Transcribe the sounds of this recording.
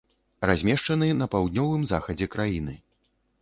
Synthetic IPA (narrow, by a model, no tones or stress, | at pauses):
razʲmʲɛʂt͡ʂɐnɨnɐpawd̪̚ʲnʲɔvɨmzaxɐd͡zʲɛkɾajinɨ